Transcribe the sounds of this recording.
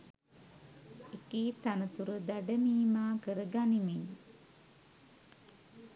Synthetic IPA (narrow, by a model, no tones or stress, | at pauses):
ekiːt̪anət̪uɾəd̪aɖəmiːmaːkəɾəɡanimin